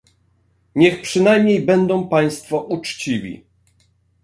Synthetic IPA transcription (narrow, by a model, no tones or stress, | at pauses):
ɲɛxpʂɘnajmɲejbɛnd̪ɔ̃w̃paj̃st̪fɔʔut͡ʂt͡ɕivʲḭ